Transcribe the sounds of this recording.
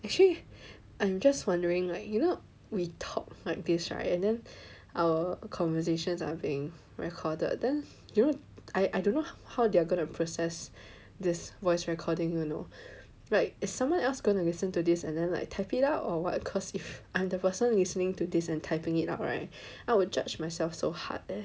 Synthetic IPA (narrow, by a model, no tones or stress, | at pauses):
ɛk̚t͡ʃəli | ʔãɪ̃md͡ʒaswãndəɹɪ̃ŋlaɪk̚juno | witʰɔ̰k̚laɪk̚disɹa̰ɪtɛ̃ndɛ̃nʔaʊwəkʰɔ̃ɱvəs̬eʃə̃nsa̰biɪ̃ŋ | ɹɛ̰kʰɔdə̰d̚dɛ̃n | juno | aɪʔaɪdõnːohaʊdeaɡõnupʰɹosɛs | disvɔɪsɹɛkʰɔdɪ̃ŋjuno̰ | laɪk̚ɪssãmwʌ̃nɛlsɡ̥õɪ̃ntulisə̃ntudisɛ̃ndɛ̃nla̰ɪk̚tʰaɪpɪtaʊtɔwɔ̰t̚kʰɔsifʔãɪ̃mdəpəsə̃nlisənɪ̃ŋtudisɛ̃ntʰaɪpɪ̃ŋɪta̰ʊt̚ɹa̰ɪt̚ | ʔaɪwʊd͡ʒad͡ʒmaɪsɛlfsoha̰t̚